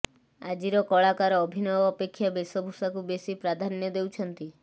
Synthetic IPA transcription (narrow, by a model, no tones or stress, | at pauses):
ad͡ʒiɾɔkɔɭakaɾɔːbʱinɔɔːpekʰːjabesɔbʱusakubesipɾad̪ʱanjɔd̪ewt͡ʃʰɔnt̪i